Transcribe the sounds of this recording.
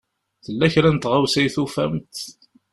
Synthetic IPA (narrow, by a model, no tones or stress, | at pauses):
θəlːæçɾænt̪ʁawsæjθufæ̰mt̪